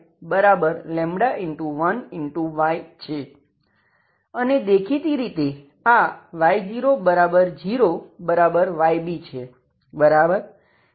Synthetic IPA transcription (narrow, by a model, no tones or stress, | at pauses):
bəɾabəɾlɛ̃mɽaʔɪɳʈuʋənɪɳʈuʋajt͡ʃʰe | əned̪ekʰit̪iɾit̪e | aʋajd͡ʒiɾobəɾabəɾd͡ʒiɾobəɾabəɾʋajbit͡ʃʰe | bəɾabəɾ